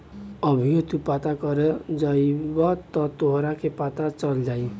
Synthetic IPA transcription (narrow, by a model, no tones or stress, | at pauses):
ʌbʱijot̪upat̪akɔɾed͡ʒʌjbɔt̪ɔt̪oɦɾakʰepat̪at͡ʃʌld͡ʒai